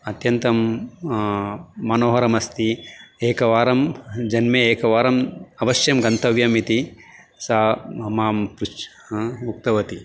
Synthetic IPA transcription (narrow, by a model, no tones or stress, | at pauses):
ɐt̪jɐnt̪ɐm | ɐnoːɦɐɾɐmɐst̪ieːkɐʋaːɾɐmd͡ʒɐnmeeːkɐʋaːɾɐmɐʋɐʃjɐmɡɐnt̪ɐʋjɐmit̪i | saɐmaːmpɾut͡ʃ | uk̚t̪ɐʋɐt̪i